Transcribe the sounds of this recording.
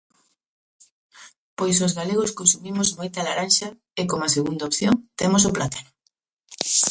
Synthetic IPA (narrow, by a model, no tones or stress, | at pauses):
pojs̬ozɣaleɣ̞ʊskonsumimʊzmojt̪ɐlaɾanʃɐ | ekomɐseɣund̪aopθjoŋt̪emos̬oplat̪anʊ